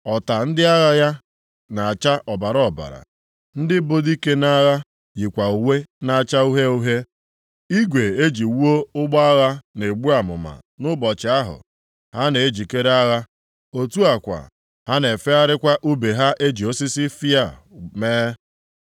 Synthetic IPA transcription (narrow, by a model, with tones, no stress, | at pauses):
ɔ˨ta˨n̩˦dɪ˦a˦ɣa˦ja˦ | na˨a˨t͡ʃa˦ʔɔ˨ba˨ɾɔ˨ba̰˨ɾa̰˨ | n̩˦dɪ˦bo˦di˦ke˦na˦ɣa˦ | jɪ˨kʷa˨u˨we˦na˦a˨t͡ʃa˦u˦ɦe˦u˦ɦe˦ | i˦ɡʷe˨e˦d͡ʒi˨wu˦o˦ʊ˦ɡ͡bɔ˦a˦ɣa˦ne˨ɡ͡bu˦a˨mʊ̰˨ma̰˨ | nʊ˦bɔ˨t͡ʃɪ˨a˦ɦʊ̰˨ | ha˦ne˨e˦d͡ʒi˨ke˦ɾe˦a˦ɣa˦ | o˨tu˦a˨kʷa̰˨ | ha˦ne˨fe˦a˦ɾɪ˦kʷa˦ʔu˦be˨ɦa˦ʔe˦d͡ʒi˨o˦si˦sɪ˦fi˦a˦˨meː˦